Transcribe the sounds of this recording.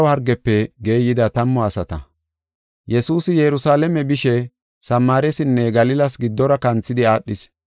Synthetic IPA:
whɐɾɡɛpːɛɡe̞ːjɪd̪ɐt̪ɐmːɔɐsɐt̪ɐ̰ | jɛsuːsɪjɛɾʊsaːlɛmɛbɪʃɛ | sɐmːaːɾɛsɪnːɛɡɐlɪlɐsɡɪd̪ːɔɾɐkɐnt͡sːɪd̪ɪaːɗːɪs

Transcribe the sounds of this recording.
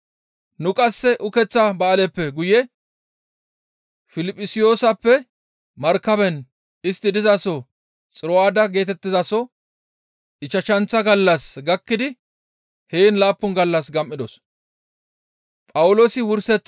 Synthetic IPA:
nʊkʼɐsːɛʔʊkɛt͡sːɐbɐːlɛpːɛɡʊjɛ | fɪlɪpʼːɪsɪjo̞ːsɐpːɛ | mɐɾkːɐbɛn | ɪst̪ːɪd̪ɪzasɔ | t͡sʼɪɾɔwaːd̪ɐɡe̞ːt̪ɛt̪ːɪzasɔ | ɪt͡ʃːɐʃɐnt͡sːɐɡɐlːɐsɡɐkːɪd̪ɪ | heːnlaːpːʊnɡɐlːɐsɡɐmʔːɪd̪ɔs | pʼɐwʊlo̞ːsɪwʊɾsɛt͡sː

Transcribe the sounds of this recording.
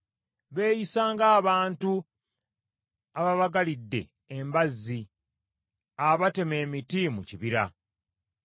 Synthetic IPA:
βe̞ːjisaːŋɡaːβaːntu | aβaβaɡalidːe̞̰ | embazːi | aβate̞me̞ːmitimuciβiɾa̰

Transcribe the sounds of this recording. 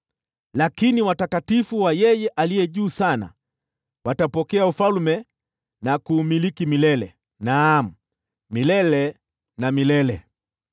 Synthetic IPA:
lakiniwatakatifuwajɛjɛʔalijɛʄuːsana̰ | watapɔkɛaufalmɛ | nakuːmilikimilɛlɛ | nam̩ | milɛlɛ | namilɛlɛ

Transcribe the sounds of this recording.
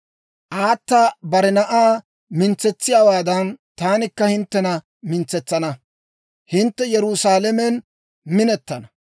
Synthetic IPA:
ʔaːt̪ːabɐɾɛnɐʔaː | mɪnt͡sɛt͡sːɪjaːwaːd̪ɐnt̪aːnɪkːɐhɪnt̪ːɛnɐ | mɪnt͡sːɛt͡sːɐnɐ | hɪnt̪ːɛjɛɾʊsaːlɐmɛn | mɪnɛt̪ːɐnɐ

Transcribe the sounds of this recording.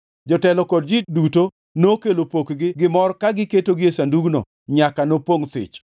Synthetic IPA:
d͡ʒɔtɛlɔkɔd̚d͡ʒiduto | nokelopokɡɪɡɪmɔɾkaɡɪketoɡɪesanduɡno̰ | ɲakanopwoŋt̪ɪ̰t͡ʃ

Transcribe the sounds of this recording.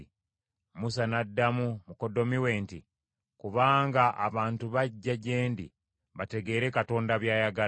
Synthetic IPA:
musanadːamumuko̞do̞miwe̞ːnti | kuβaːŋɡaʔa̰βaːntuβaɟːaɟe̞ːndi | βate̞ɡe̞ːɾe̞kato̞ːndaβjaːjaɡa

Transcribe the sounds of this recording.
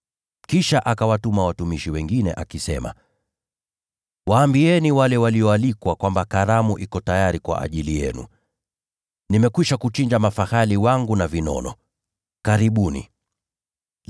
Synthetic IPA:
kiʃaʔakawatumawatumiʃiwɛŋɡinɛʔakisɛma̰ | waːmbiɛniwalɛwaliɔalikwakwambakaɾamuʔikɔtajaɾikwa̰ʔa̰ʄilijɛ̰nṵ | nimɛkwiʃakut͡ʃind͡ʒamafahaliwaŋɡunavinɔ̰nɔ̰ | kaɾiɓunḭ

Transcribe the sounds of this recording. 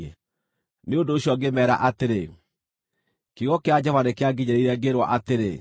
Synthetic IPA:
ɛ | neondoːɕiɔɡemɛːɾa̰ʔateɾe | kiɣɔkead͡ʑɔvanekeaɡiɲaɾiɾɛɡeɾwa̰ʔateɾe

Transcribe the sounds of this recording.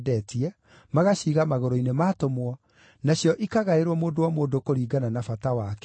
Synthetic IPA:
dɛtiɛ | maɣaɕiːɣamaɣoɾoinemaːtomwɔ | naɕjɔʔikaɣaeɾwɔmoːdowamoːndokoɾiːɡananafatawakɛ

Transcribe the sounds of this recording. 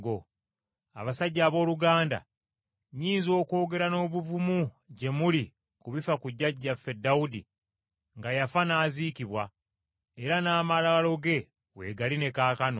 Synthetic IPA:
ɡo | a̰βasaɟːaːβo̞ːluɡaːnda̰ | ɲiːnzio̞ːko̞ːɡe̞ɾano̞ːβuvumu | ɟe̞muli | kuβifakuɟːaɟafedːaudḭ | ŋɡajafanaːziːkiβwa | eɾanaːmalawalo̞ɡe̞ | we̞̰ɡaline̞kaːkano̰

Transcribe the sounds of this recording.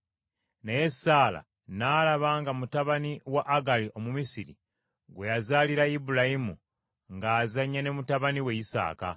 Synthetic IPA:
neje̞ssaːla̰ | naːlaβaːŋɡamutaβaniwaʔːɡaliʔo̞mumisiɾḭ | ɡwe̞jazaːliɾaibulajimu | ŋɡaːzaɲːane̞mutaβaniwe̞jisa̰ːka̰

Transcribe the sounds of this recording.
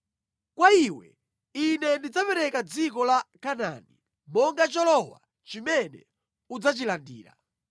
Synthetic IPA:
kwaiwɛ̰ | inɛndid͡zapɛɾɛkad͡zikɔlakana̰ni | mɔŋɡat͡ʃɔlɔwa̰ | t͡ʃimɛnɛ̰ | ud͡zat͡ʃilandiːɾa̰

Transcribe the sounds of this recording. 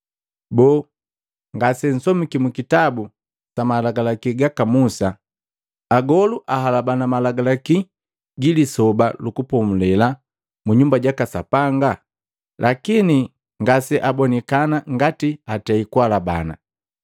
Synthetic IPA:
bɔː | ŋɡasɛn̩sɔmikimukitabu | samalaɡalakiɡakamusaː | ɡɔluʔaɦalabanamalaɡalaki | ɡilisɔbalukupɔmulɛla | muɲumbaɟakasa̰paŋɡa | lʔakini | ŋɡasɛʔabɔnɛkanaŋɡatiatɛikualaba̰na̰

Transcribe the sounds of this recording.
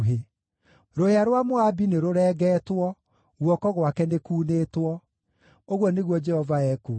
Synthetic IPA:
ɦe | ɾoheaɾwamoabineɾoɾɛːɡɛtwɔ | ɣwɔkɔɣwakɛnekuːnetwɔ | oɣwɔneɣwɔd͡ʒɛhɔvaɛko

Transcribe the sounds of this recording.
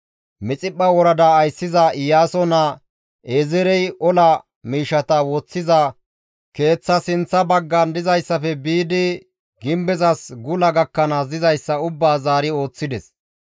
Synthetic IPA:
mɪt͡sʼɪpːɐwɔɾɐd̪ɐːjsːɪzɐɪjaːsɔnɐ | ʔezɛɾɛjʔɔlɐ | miːʃɐt̪ɐwɔt͡sːɪzɐ | ke̞ːt͡sːɐsɪnt͡sːɐbɐɡːɐnd̪ɪzɐjsːɐfɛbiːd̪ɪ | ɡɪmbɛzɐsɡʊlɐɡɐkːɐnɐzɪzɐjsːɐʊbːaːzaːɾɪo̞ːt͡sːɪd̪ɛs

